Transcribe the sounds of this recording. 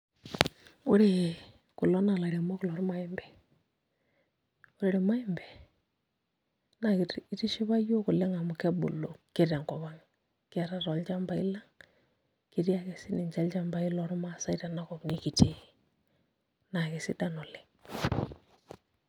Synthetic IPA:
ʊ˦ɾe˦˨ | kʊ˨lɔ˦na˨la˨ɾe˨mɔ˦kʊ˨lɔ˨ɾma˦ɪ˦mbɛ˨ | ʊ˦ɾe˦ɾi˨ma˦ɪ˦mbɛ˨ | na˨kɪ˨i˦ti˦ʃɪ˦βa˦jo˦kʊ˨le˦ŋa˨mʊ˨kɛ˦bṵ˨lo˨ke˦ɾa˨ŋkɔ˨βa˦ŋ | kɛ˨ɾa˦ɾɔ˨lt͡ʃa˦mba˨ɪ̰˦la˦ŋ | kɪ˨ɾi˦a˨ke˨sɪ˦nɪ˨nt͡ʃa˦lt͡ʃa˦mba˨ɪ˦lɔ˨˦ɾma˦sa˦ɪ˦ɾa˨na˦kɔ˨kni˦ki˨te˦ | na˨ke˨sɪ̰˦da˦nɔ˨lɪ˨ŋ

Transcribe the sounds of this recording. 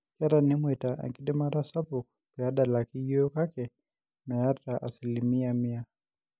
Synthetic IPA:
ka˦ɾa˨ni˦mwɛ˨ta˨ʔa̰˨ŋki˦ɗɛ˦ma˦ɾa˦sa˦pu˨ | pɛ˨a˦ɗa˨la˨ki˦jɔ˦ɔ˦ka˦kɛ˨ | nɔ˨ja˦ta˨ʔa˨si˨limi˦a˨mia

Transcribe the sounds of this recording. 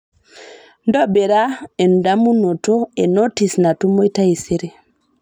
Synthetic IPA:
ndɔ˦be˨ɾa˦e˨nu˨da˦mu˦no˨to˦e˨no˦ti˨sna˨tu˦mo˦i˦ta˦i˨se˦ɾe˦˨

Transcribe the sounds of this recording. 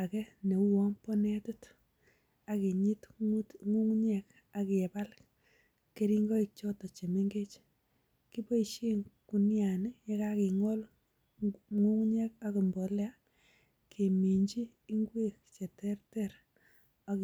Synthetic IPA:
a˨kɛ˦ne˨u˦wɔ˦mpɔ˦nɛ˦tu˦t | a˨ki˨ɲi˦ttŋu˦ŋɲɛ˨k | aki˨ɛ˨ba˦l | ke˦ɾi˦ŋɡo˦ik̚t͡ʃo˦tɔ˨t͡ʃe˨me˦ŋɡe˦t͡ʃ | ki˦po˦i˨ʃi˦ŋku˨nja˨nɪ˦je˦ka˦ki˨ŋɔ˦l | ŋu˦ŋɲe˦ka˦ki˨mbɔ˨la˦ | kʰe˨mi˨ɲd͡ʒiː˦ŋɡwe˦kt͡ʃe˨tɛ˦rtɛɾ | a˨k

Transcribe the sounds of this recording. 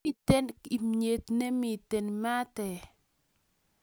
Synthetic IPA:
i˦tɛ˦ni˨mɲe˨t̪ne˦mi˨te˨nma˦tɛ˨

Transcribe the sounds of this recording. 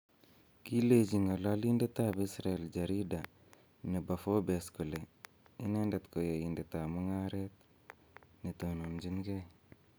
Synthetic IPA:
ki˦le˨d͡ʒiŋa˨la˦li˦nde˦t̪a˦bi˦sɾaɛ˨ld͡ʒa˨ɾi˦da | ne˨ba˨fo˦be˨sku˨le˨ | i˦ne˦nde˨t̪ko˨je˨inde˨t̪a˨mu˦ŋaɾet̪̚ | nit̪onu˨md͡ʒi˦nɡe˦

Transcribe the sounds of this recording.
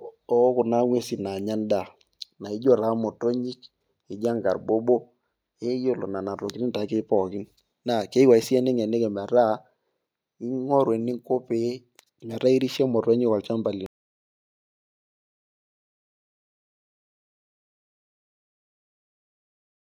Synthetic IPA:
ɔ˨˦kʊ˨na˦ŋwe˦si˨na˨ɲa˦nda˨ | na˨i˦d͡ʒo˦ɾa˨˦mo˨to˦ɲɪ˦k | ɪ˨d͡ʒa˦ŋɡa˨rbo˦bo˦ | e˦jo˦lo̰˨na˨na˨ɾo˨ki˦ni˦nta˨˦ke˦pɔ˨kɪ˦n | na˨ke˦wa˨i˨˦si˦ɛ˦ne˦ŋɛ˨ne˦kɛ˨mɛ˨ɾa˦ | i˦ŋɔ˦ɾwe˨nɪ˦ŋko˦pe˦ | mɛ˨ɾa˦i˦ɾi˦ʃɛ˦mɔ˨to˦ɲɪ˦kwa˨lt͡ʃa˦mba˨li˨n

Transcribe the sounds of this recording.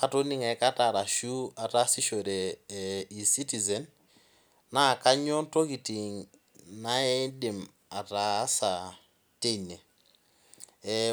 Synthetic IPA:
ka˨to˦ni˦ŋɛ˨˦ka˦ta˨ɾa˨ʃu˦a˨ta˦si˦ʃo˨ɾe˨ | i˨si˦ti˨zɛ˨nː | a˦˨ka˦ɲɔ˦nto˦ki˨ti˨ŋ | na˦ɛ˦dɪ˨m | a˨ta˨˦sa˨ | te˦i˨ne˨

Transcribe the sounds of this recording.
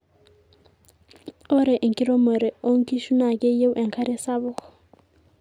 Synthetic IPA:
ɔ˦ɾɛ˨ʔi˨ŋki˦ɾo˦mə˨ɾɛ˨o˦ŋ˦ki˦ʃu˦na˨ke˦je˦wʔɛ˨ŋkʰa˦ɾɛ˦sa˦βʊ˦k

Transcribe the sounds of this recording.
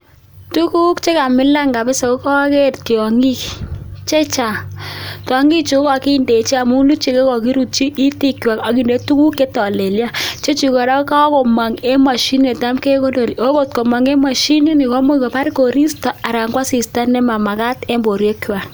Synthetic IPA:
tu˦ku˦kt͡ʃe˦ka˨mɪ˦la˦ŋɡa˨bɪ˦so˨ko˦ka˦a˦ke˦˨tki˨ɔ˨ŋi˦kt͡ʃe˦t͡ʃa˨tɔ˨ŋi˦t͡ʃu˨ko˦kɔ˨ki˦nde˨t͡ʃa˨mu˦lu˦t͡ʃe˦ke˦kɔ˨ki˦ɾu˨t͡ʃi˦ʔːti˦kwa˨ka˦ki˨nde˦tu˦ku˦ke˦tɔ˨le˨lja˦t͡ʃe˦t͡ʃi˨kɔ˨ɾa˦ka˦ko˨ma˨ŋe˦ma˨ʃi˦ne˨ta˦mke˦ko˦no˨lo˦ko˨tko˨ma˨ŋe˦ma˨ʃi˦ni˦nɪ˨kɔ˦mo˦ko˨pa˦ɾko˨ɾi˦stɔ˨a˨ɾa˨ŋɡwa˦si˨sta˦nɛ˦ma˨ma˨ka˦tɛ˦mbo˨ɾjo˦kwa˨

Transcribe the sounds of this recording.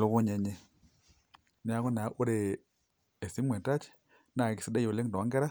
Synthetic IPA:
lo˨˦kɔ˦ɲɛ˨ɲɛ˦ | ni˦a˦kɔ˦na˨˦ʔu˦ɾe˨ | e˨si˦mwɛ˨ta˦t͡ʃ | na˨ki˨si˦dɛ˦jo˨le˦ŋ˨dɔ˨a˨˦ŋɡɛ˦ɾa˦

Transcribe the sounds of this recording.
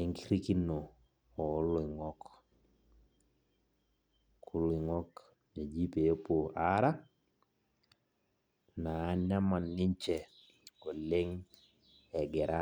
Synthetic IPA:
e˨ŋki˦ɾi˦ki˦no˨ | ɔ˨˦lʊ˦ɪ˨ŋɔ˦k | kʊ˦lʊ˦ɪ˨ŋɔ˦k | ɲa˨d͡ʒi˦pe˨jo˦po˨a˦ɾa˦ | naː˨˦ɲa˦ma˨nːɪ˦ɲt͡ʃɛ˨ | o˨lɪ˦ŋ | ɛ˨ɡɛ˨ɾa˦

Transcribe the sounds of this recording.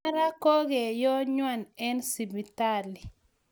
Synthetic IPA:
ɾa˦kɔ˦ɡe˨jɔ˦ɲwa˦˨nɛ˦nsi˨bi˨ta˦˨li˨

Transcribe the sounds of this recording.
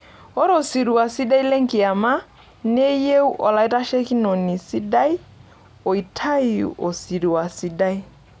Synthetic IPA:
ɔ˦ɾo˨si˨ɾi˨wa˨si˦da˦i˦le˦ŋ̩˦ki˨a˨ma˦ | ne˦je˦u˦ʔɔ˨la˨i˦ta˦ʃe˦ki˦nɔ˨ni˨si˦da˦i˦ | o˨i˨tʰa˦i˨ṵ˨ʔo˨si˨ɾi˨wa˨si˦da˦i˦

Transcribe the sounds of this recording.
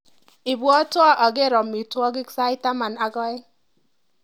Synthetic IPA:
i˨bu˨ɔ˦tʊ˦ɔ˦ʔɔ˨ɡe˦ɾɔ˨m˨i˨tu˦ɔ˦ɡɪ˦ksa˦i˦ta˦ma˨na˦ɡɔ˦ɪ˦

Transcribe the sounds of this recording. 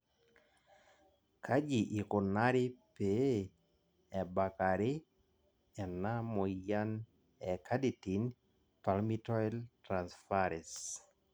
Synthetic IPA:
kʰa˦d͡ʒi˨ʔi˨ko˨na˦ɾɪ˦pe | ɛ˨ba˨ka˨ɾɪ˦ | ɛ˨na˦mɔ˨ja˦n | ɛkʰa˦di˨ti˨n | pa˨lmi˦tɔ˦ɛltɾansfaɾɛs

